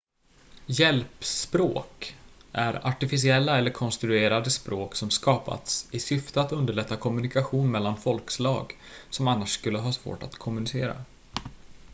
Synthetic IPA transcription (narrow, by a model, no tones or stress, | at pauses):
jɛlpspɾo̰ːkʔæɾa̰ʈɪfɪs̬ɪɛlːaɛlːəɾkʰɔnst̪ɾɵeːɾad̪əspɾʔoːksɔmskɑːpa̰t̪sɪsʏft̪əat̪ɵnd̪əɭɛt̪ʰːakʰɔmɵ̟nɪkaɧuːnmɛlːanfɔlkslɑ̰ːɡ | sɔmanːaʂskɵlːəɦɑːsvo̰ːʈa̰t̪kʰɔmɵnɪsḛːɾa̰